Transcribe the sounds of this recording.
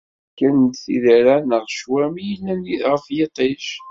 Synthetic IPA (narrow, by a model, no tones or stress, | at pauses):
kːənd̪θḭðəɾænəʁʃwæmijəlːæniθʁəfjet̪ˤeʃ